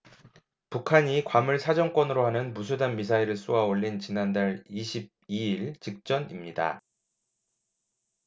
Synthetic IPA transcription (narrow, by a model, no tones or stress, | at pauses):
pukʰaɲikwamɯɭsʰad͡ʑʌŋk͈wʌnɯɾohanɯnmusʰudanmisʰaiɾɯɭs͈uwaoʎːint͡ɕinandaɭiɕʰib̚iiɭt͡ɕik̚t͡ɕ͈ʌnimɲida̰